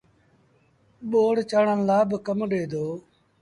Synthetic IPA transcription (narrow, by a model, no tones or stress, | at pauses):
ɓoːɽt͡ʃaːɳə̃nlaːbkəmɗeːd̪oː